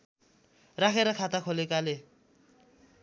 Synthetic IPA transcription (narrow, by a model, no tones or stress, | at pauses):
rakʰeɾʌkʰat̪akʰolekale